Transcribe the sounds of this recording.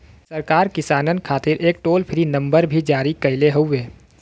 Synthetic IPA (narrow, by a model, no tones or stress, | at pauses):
səɾkaːɾkɪsaːnənkʰaːt̪ɪɾʔeːk̚ʈoːlpʰɪɾinə̃mbəɾbʱid͡ʒaːɾikəɪleɦoʊeː